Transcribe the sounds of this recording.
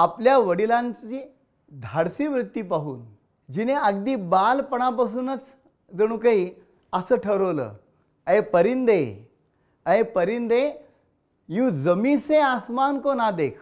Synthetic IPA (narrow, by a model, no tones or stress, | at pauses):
apljaʋəɽilãɲt͡ɕiː | d̪ʱaɽsiːʋɾut̪ːiːpaɦuːn | d͡ʑineəɡ̚d̪iːbalpəɽ̃ap̬as̬uːnət͡s | d͡zəɽ̃ũːkəɦi | əsəːʈʰəɾəʋlə̰ | əepəɾiːnd̪e | əepəɾiːnd̪e | jũd͡zəmisẽasmankonad̪ekʰ